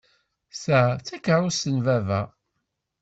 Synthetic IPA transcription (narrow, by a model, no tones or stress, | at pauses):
sæθækəɾˤʊsənvævæ̰